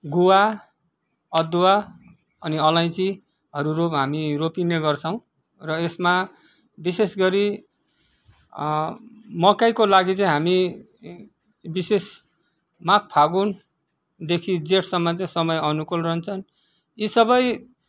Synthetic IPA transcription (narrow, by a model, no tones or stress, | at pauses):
ɡuwa | ʌd̪uwa | ʌniʌlaj̃t͡si | ɦʌɾuɾoɦamiropineɡʌrt͡sʰʌw̃ | rʌesma | bisesɡʌɾi | mʌkajkolaɡit͡saĩɦami | bises | mak̚pʰaɡun | d̪ekʰid͡zeʈʰsʌmːʌt͡saĩsʌmʌjʌnukulrʌɦnt͡sʰʌn | isʌbʌj